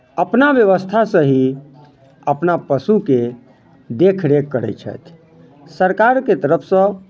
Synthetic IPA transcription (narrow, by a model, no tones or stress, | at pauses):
əpnabjəʋəst̪ʰasəɦi | əpnapəsuke | d̪ekʰɾekːəɾɛ̰jt͡ʃʰə̰t̪ʰ | səɾkaɾket̪əɾəpʰsə̃